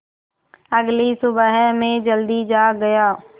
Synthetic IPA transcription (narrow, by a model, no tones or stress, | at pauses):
əɡlisʊbəɦmẽd͡ʒəld̪id͡ʒaːɡəjaː